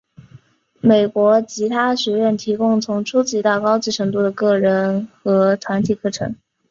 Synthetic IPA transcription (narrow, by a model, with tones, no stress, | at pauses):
me˨˩ɪkwɔ˧˥t͡ɕʰi˧˥t̪ʰa˥ɕɛ˧˥ɥɛ˥˩nt̪ʰi˧˥kʊ˥ŋt͡sʰʊ˧˥ŋʈ͡ʂʰu˥t͡ɕi˥˧˥t̪a˥˩kɑ˥ʊt͡ɕi˥˩ʈ͡ʂʰɤ˧˥ŋt̪u˥˩d̪ə˩kɤ˥˩ɻə˧˥nxɤ˧˥t̪ʰwa˧˥nt̪ʰi˨˩kʰɤ˥˩ʈ͡ʂʰɤ̰˧˥ŋ